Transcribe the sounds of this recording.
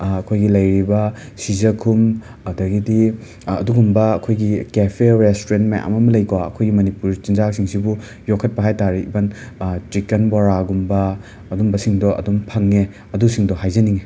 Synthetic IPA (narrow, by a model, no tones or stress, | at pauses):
ɐkʰojɡilɐjɾibɐ | sizɐkʰum | ɐdɐɡidi | ɐduɡumbɐɐkʰojɡikepʰeɾestoɾentmajʔa̰mɐmɐlɐjkwaɐkʰojɡimɐnipuɾt͡ʃinzak̚siŋsibu | jokʰːɐt̚pɐɦajtaɾibɐnt͡ʃikenbaɾaɡumbɐː | dumbɐsiŋdɔʔɐ̰dumpʰɐŋːe | ɐdusiŋdɔhajzɐniŋe